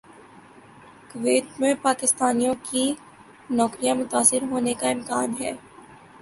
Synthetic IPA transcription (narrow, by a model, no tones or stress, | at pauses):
kʋeːt̪mẽpaːkɪst̪aːnijõki | nɔːkɾijãmʊt̪aːsɪɾɦoːnekaɪmkaːnɦɛː